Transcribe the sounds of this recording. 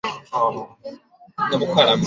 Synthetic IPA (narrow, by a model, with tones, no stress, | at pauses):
no˨mu˨kʰa˦˨la˨m